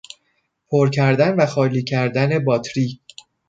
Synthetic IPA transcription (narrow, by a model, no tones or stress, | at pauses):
pʰoɾcʰæɾd̪ænvæxɒːliːcʰæɾd̪æne̞bɒːt̪ʰɾiː